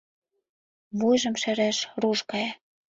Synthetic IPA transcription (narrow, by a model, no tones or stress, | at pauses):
βujʒɤ̆mʃæɾæʃruʃkɑjɑ